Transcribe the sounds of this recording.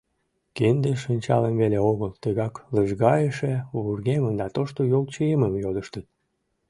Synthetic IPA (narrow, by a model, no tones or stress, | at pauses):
kend̪eʃənʲt͡ɕɑ̰ləmβeleoɣəlt̪əɣɑkləʒɣɑjəʃeβurɣemənd̪ɑt̪oʃt̪ojolt͡ɕəeməmjod̪əʃt̪ət̪̚